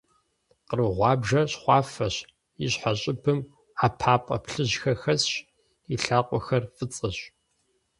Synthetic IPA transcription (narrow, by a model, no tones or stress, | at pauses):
qərɨʁʷɑːbʒɐɕχʷɑːfɐɕ | iɕħaɕʼɪbʰɨm | apʰaːpʼɐ̰pɬɨʑxɐxɐsɕ | iɬaːqʷʼɔxɐrfɨt͡sʼɨɕ